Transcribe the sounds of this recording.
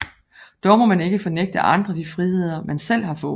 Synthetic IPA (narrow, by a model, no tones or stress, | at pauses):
d̥ɒʊmɒ̽mæne̝ɡ̥əfɒ̽neɡ̥̚d̥əʔɑ̈nd̥ʁɐd̥ifʁihe̝ð̞̰ˠɐmænsel̰ɦɑ̈fɔ̽ː